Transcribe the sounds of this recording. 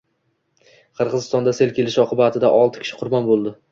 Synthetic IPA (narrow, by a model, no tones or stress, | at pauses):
qʰɨɾʁɨzɪst̪ɒnd̪ase̞lkʲʰe̞lɪʃɒqʰɨbat̪ʰɪd̪aʔɒlˠt̪ʰɪ̥kʰʲɪ̥ʃɪ̥qʰʊɾbɒnbolˠd̪ɪ